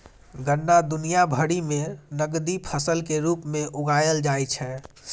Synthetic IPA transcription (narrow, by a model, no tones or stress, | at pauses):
ɡənːad̪unijabʱəɽimẽnəɡd̪ipʰəsəlkeɾuːpmẽʔʊɡajəld͡ʒajt͡ʃʰɛ